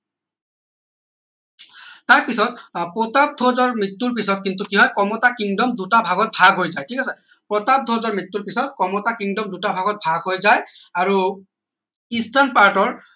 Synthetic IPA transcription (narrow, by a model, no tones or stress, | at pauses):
taɹpisɔtpɔtap̚dʱozɔɹmɹitːuɹpisɔtkintukiɦɔjkɔmɔtakiŋdɔmdutabʱaɡɔt̚bʱaɡʱɦojzajtʰikasɛ | pɹɔtap̚d̪ʱozɔɹmitːuɹpisɔt̚kɔmɔtakiŋdɔmdutabʱaɡɔt̚bʱaɡɦojzaj | aɹu | istanpaɹtɔɹ